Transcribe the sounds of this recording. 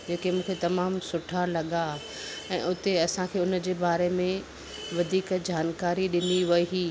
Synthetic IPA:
d͡ʑeːkemũːkʰet̪ɐmaːmsʊʈʰalɐɠa | ɛ̃ːʔʊt̪eɐsãkʰeːʊnəd͡ʑeːbaːɾemẽ | ʋɐd̪ʱiːkd͡ʑaːnkaːɾiɗɪniʋɐiiː

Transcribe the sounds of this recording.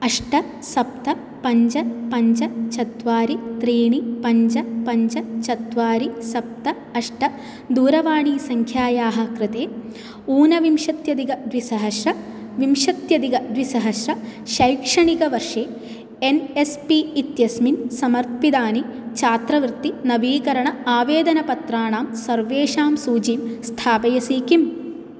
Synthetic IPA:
ɐʂʈɐ | sɐp̚t̪ɐ | pɐɲd͡ʒɐpɐɲd͡ʒɐt͡ʃɐt̪ʋaːɾit̪ɾiːɳipɐɲd͡ʒɐpɐɲd͡ʒɐt͡ʃɐt̪ʋaːɾisɐp̚t̪ɐ | ɐʂʈɐ | d̪uːɾɐʋaːɳiːsɐŋkʰjaːjaːɦɐkɾɪt̪eː | uːnɐʋimʂɐt̪jɐd̪iɡɐd̪ʋisɐɦɐʃɾɐ | ʋimʂɐt̪jɐd̪iɡɐd̪ʋisɐɦɐʃɾɐʃɐjkʂɐɳikɐʋɐɾʂeː | enespiːt̪jɐsminsɐmɐɾt̪̚pid̪aːnit͡ʃʰaːt̪ɾɐʋɾɨt̪ːinɐʋiːkɐɾɐɳɐaːʋeːd̪ɐnɐpɐt̪ɾaːɳaːmsɐɾʋeːʂaːmsuːd͡ʒiːmst̪ʰaːpɐjɐsiːkim

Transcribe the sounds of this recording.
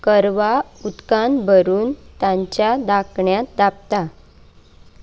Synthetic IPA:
kəɾʋaut̪kanbʱəɾuːnt̪jãɲt͡ɕjad̪akɳjat̪̚d̪ap̚t̪a

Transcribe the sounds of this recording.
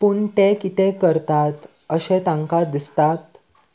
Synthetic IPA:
puɳʈekit̪ekəɾt̪at̪ | əɕẽt̪ãŋkad̪ist̪at̪

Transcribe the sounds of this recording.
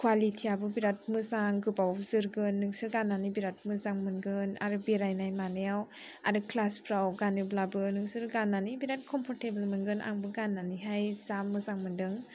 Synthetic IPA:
kʰwalitʰiabɯbiɾat̚mɯzaŋɡɯbawzɯɾɡɯnːɯŋsɯɾɡananibiɾat̚mɯzaŋmɯnɡɯna̰ɾɯbeɾajnajmanɯjaw | a̰ɾɯklaspʰɾawɡanɯblabɯnɯŋsɯɾɡanːanibiɾat̚kʰɔmpʰɔɾtebəlmɯnɡɯnʔa̰ŋbɯɡanːaniɦajzamːɯzaŋmɯndɯŋ

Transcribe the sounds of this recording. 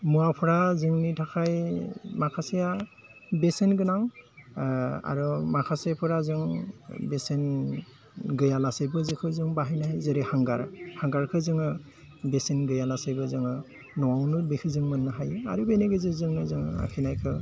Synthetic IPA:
muapʰɯɾazɯŋnitʰakʰajmakʰaseja | besenɡɯnaŋ | a̰ɾɔmakʰasajapʰɯɾazɯŋbesen | ɡɯjalasejbɯzɯkʰɯzɯŋbaɦajnaɦajzɯɾɯhaŋɡaɾhaŋɡaɾkʰɯzɯŋɯ | besenɡɯjalasejbɯzɯŋɯ | nɔwawnubekʰɯzɯŋmɯnːaɦaja̰ɾubeneɡɯzɯzɯŋnɯzɯŋ̰a̰kʰinajkʰɯ

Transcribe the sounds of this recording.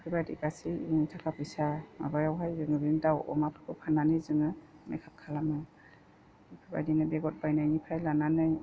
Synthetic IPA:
pʰɯbajdḭkasiiŋitʰakʰapɯjsama̰bajawɦajzɯŋɯbindawɔ̰mapʰɯkɯpʰananɯjzɯŋɯmḛkʰap̚kʰalamɯ | ipʰɯba̰jdinɯbeɡɔt̚bajnajnipʰajlananɯj

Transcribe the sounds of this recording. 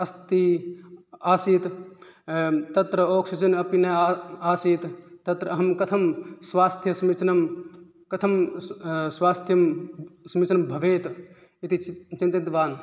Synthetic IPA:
ɐst̪i | aːsiːt̪ | t̪ɐt̪ɾɐoːksut͡ʃɐnɐpinɐjaːsiːt̪t̪ɐt̪ɾɐɐɦɐmkɐt̪ʰɐmsʋaːst̪ʰjɐsmit͡ʃnɐm | kɐt̪ʰɐm | sʋaːst̪ʰjɐmsmit͡ʃnɐmbʱɐʋeːt̪ | it̪it͡ʃint̪it̪ʋaːn

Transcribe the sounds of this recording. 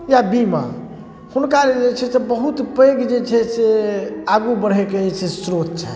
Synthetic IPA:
jabima̰ | hunkaɾd͡ʒet͡ʃʰɛsebəɦut̪peɡd͡ʒet͡ʃʰɛseaɡubəɽ̤ekeesʰesɾot̪̚t͡ʃʰɛ

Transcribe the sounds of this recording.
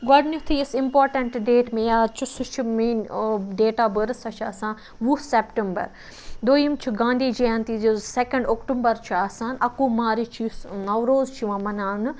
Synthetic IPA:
ɡɐɽnʲut̪ʰiːɪsɪmpoːɾʈɐ̃ɳʈɖeːʈmẽjaːt͡ʃʰusut͡ʃʰumiːnɖeːʈaːbəɾsɐt͡ʃʰa̰ːsãː | ʋuseːpʈembɐ̰ɾ | d̪oːjimt͡ʃʰuɡãːnd̪ʱiːd͡ʒiãnt̪izosekɐ̃ɳɖoːkʈumbɐɾt͡ʃʰuaːsãːnɐkoːmaːɾit͡ʃʰinɐʋɾoːzt͡ʃʰiʋãːmɐnaːn

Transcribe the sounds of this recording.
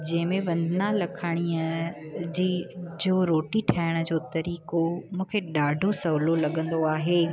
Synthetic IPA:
d͡ʑɐ̃ɦɪ̃mẽʋɐ̃nd̪ʱnalɐkʰaːɽ̃iəd͡ʑiːd͡ʑoːɾoːʈiʈʰaːəɽ̃ʊd͡ʑoːt̪ɐɾiːkomũːkʰeɗaːɖʱosɐɦlolɐɠə̃nd̪oaːɦeː

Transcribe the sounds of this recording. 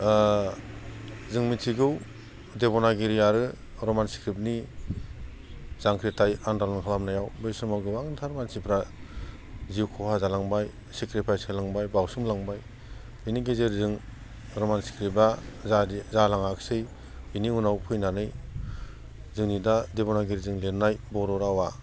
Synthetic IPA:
zɯŋmitʰiɡɯw | debɔnaɡiɾijaɾɯ | ɾɔmansi̥kɾip̚ni | zaŋkʰɾitajandalɔnkʰalamnajawbɯjsɯmawɡɯbaŋntʰaɾmansipʰɾa | ziwkʰɔhazalaŋbaj | sekɾipʰajsɯlaŋbajbawsɯmlaŋbaj | ɯniɡezeɾzɯŋ | ɾɔmansi̥kʰɾiba | zalaŋaksɯj | iniunawpʰɯjnanɯj | zɯŋnidadebɔnaɡiɾizɯŋlennajbɔɾɔɾawa

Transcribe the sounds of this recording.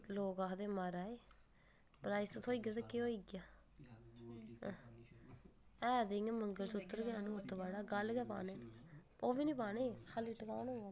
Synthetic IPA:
loːkaːkd̪eːmaɾaːeː | pɾaːiːst̪ʰːoːiːɡaːt̪eːkeoːiːɡjaː | ɛ̃ːd̪eŋməŋɡəlsʊt̪ːəɾɡjaːnũːʊt̪ːbaːɽaːɡəlɡɛːpa̰ːneː | oːbiːnĩːpaːneːkʰaliʈːəkaːnoː

